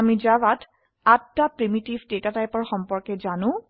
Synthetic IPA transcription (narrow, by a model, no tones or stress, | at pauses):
amizawat | atːapɹimitivdetatajpɔɹxɔmpɔɹkɛzanʊ̃